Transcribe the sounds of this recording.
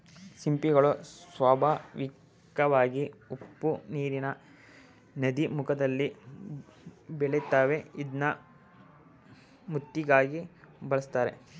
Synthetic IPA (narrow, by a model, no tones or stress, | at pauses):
simpiɡɐɭusʋaːbʱɐʋikː | ɐʋaːɡiupːuniːɾinɐ | nɐd̪imukʰɐd̪ɐlːi | bɛɭet̪ːaːʋeid̪nɐ | mut̪ːiɡaːɡibɐɭɐst̪aːɾe̞̰